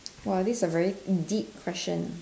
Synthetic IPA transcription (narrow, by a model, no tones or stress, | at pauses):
wɛlˠðiszəvɛɹidip̚kʰw̥ɛst͡ʃə̰̃n